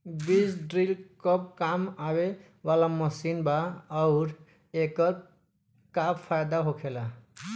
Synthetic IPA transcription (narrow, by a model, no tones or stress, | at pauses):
bisɖɾilkʌp̚kamawe | walamʌsinbaʌwɾ | ekʌt̪̚ | kappʰajd̪aɦokʰela